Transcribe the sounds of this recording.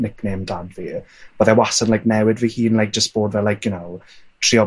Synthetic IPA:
nɪkʰneːmdadviːb̥ɔðɛwasənlajk̚nɛwɪdviːhiːnlˠajk̚ʒ̥əstb̥oːdvɛlajkʰjʊnowtʰriːɔ

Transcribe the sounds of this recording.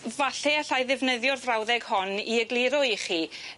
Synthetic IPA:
vaɬɛaɬajðɪvnəðjɔrvrawðɛɡ̥hɔniəɡlˠiɾɔiχiː

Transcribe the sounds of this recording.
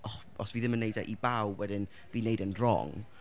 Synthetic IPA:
ɔ | ɔsv̥iːðɪmənːejdaʔibawwɛdɪn | viːnejdənrɔ̰ŋ

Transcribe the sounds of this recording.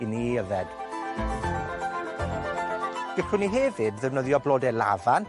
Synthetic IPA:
iniəvɛd̥ | ɡ̥əkʰrɪniɦɛvɨdðɛvnəðjɔbloːdɛla̰van

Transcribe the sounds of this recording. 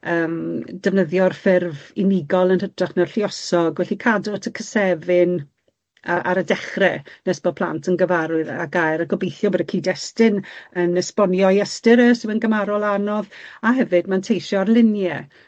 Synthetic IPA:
əːmd̥əvnəðjɔrfɪrvɪnɪɡɔlˠənhədraχnarɬiɔsɔɡwɛɬikʰadɔtʰəkʰəsɛvɪn | aʔaɾədɛχrɛnɛsb̥ɔpʰl̥ˠa̰ntʰənɡəvaɾʊɨðaɡajɾaɡɔbejθjɔbədəkʰiːdɛstɪnənəspɔnjɔjɛstɪɾəsəənɡəmaɾɔlˠanɔðaɦɛvɨdmantʰejʃɔrlˠɪnjɛ

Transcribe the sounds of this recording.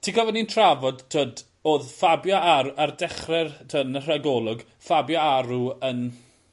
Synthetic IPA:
tʰikɔvənintʰravɔdtʰoːd | oːðfabjɔaɾardɛχrɛrtʰəːdnər̥aɡɔlˠʊɡ | fabjaaɾuən

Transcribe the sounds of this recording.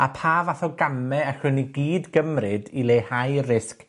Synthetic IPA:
apʰaːvaθɔɡamɛaɬwɪniɡiːdɡəmrɨdilˠeːhajrɪsk

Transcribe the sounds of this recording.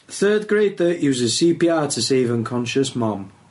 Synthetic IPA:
θɜːd̚ɡɹeɪd̚ðəʔjʉːzɪz̥siːpiːɑːtʰəseɪvə̃nkʰɒ̃nʃəsmɒ̃m

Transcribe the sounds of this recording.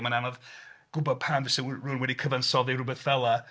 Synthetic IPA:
mananɔðɡ̥ʊbɔpʰanvɪsɪrunwɛdikʰəvansɔðiɾʊbɛθvɛlˠa

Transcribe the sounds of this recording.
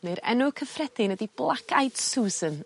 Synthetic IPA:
nɨɾɛ̰nʊkʰəfrɛd̥ɪnədiblˠakʰajd̥suːzən

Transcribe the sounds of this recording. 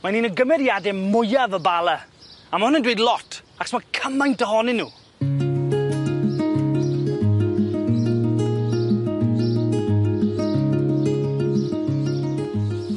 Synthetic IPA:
maniːnəɡəmɛɾjadɛmʊjavəbalˠəamahʊnəndwejdlˠɔtʰ | aksmakʰəmajntəɦɔnɪnːuː

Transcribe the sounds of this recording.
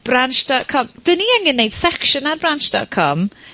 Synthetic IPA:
b̥ranʃd̥ɔtkʰɔmd̥əniəŋɡənːejd̥sɛkʃənarbranʃd̥ɔ̰t̚kʰɔm

